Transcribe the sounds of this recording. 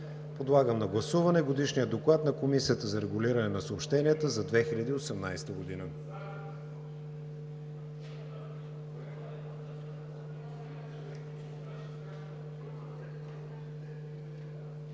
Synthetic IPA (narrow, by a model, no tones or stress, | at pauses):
pod̪lˠaɡəmnɐɡlˠɐsuvɐnɛɡod̪iʃnijəd̪oklˠat̪nɐkomisijət̪əzɐɾɛɡʊliɾɐnɛnɐsəopʃt̪ɛniət̪əzɐd̪vɛxilʲʎʲəd̪iːosɛmna̰jst̪əɡod̪inə